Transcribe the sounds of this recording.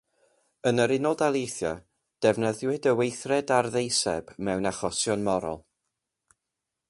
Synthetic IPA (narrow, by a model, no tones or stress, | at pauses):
ənəɾɪnɔlˠdalˠejθjɔ | d̥ɛvnəðwɪdəwejθrɛdarðejsɛ̰bmɛwnaχɔsjɔnmɔɾɔ̰lˠ